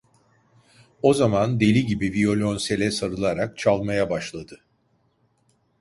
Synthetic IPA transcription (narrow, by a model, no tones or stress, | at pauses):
o̞zamand̪e̞lʲiɟibivio̞lʲonse̞lʲɛsaɾɯlˠaɾak̚t͡ʃʰalˠmajabaʃlˠad̪ɯ